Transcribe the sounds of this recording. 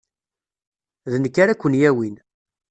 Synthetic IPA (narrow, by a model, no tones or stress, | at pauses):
ðnəkːaɾækʷːənjæwin